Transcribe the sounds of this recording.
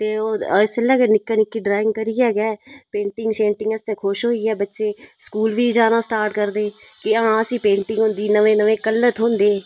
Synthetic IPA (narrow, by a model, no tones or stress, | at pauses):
t̪eːoːɪsəlɛːkenɪkːaːnɪkːiːɖɾaːɪŋɡkəɾiːɛːɡɛːpẽːɳʈɪŋɡʃẽːɳʈɪŋɡəst̪ẽːkʰʊʃɦoːiːɛːbətːʃeːskuːlʋiːd͡ʒaːnaːsʈaːɾʈkəɾd̪eːkɪaãːəsĩːpẽːɳʈɪ̃ŋɡɦʊ̃nd̪iːnəʋẽːnəʋẽːkəlːət̪ʰɦõnd̪eː